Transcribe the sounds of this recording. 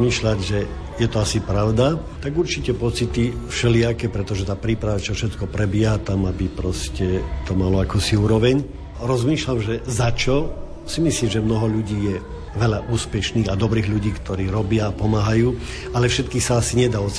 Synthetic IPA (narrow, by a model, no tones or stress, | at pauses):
miːʃlaɟʒɛ | jɛt̪ɔasipɾaʊd̪at̪aɡuɾt͡ʃicɛpɔt͡sit̪ifʃɛlɪakɛːpɾɛt̪ɔʒɛt̪aːpɾiːpɾaʋat͡ʃɔfʃɛt̪kɔpɾɛbɪjɛɦat̪amabipɾɔscɛt̪ɔmalɔakuːsiuːɾɔʋɛɲ | ɾɔzmiːʃlamʒɛzat͡ʃɔ | simisliːmʒɛmnɔɦɔʎuɟiːjɛ | ʋɛʎaʔuːspɛʃniːɣad̪ɔbɾiːɣʎuɟiːkt̪ɔɾiːɾɔbɪaːpɔmaːɦajuː | alɛfʃɛt̪kiːxsaasiɲɛd̪aːɔt͡s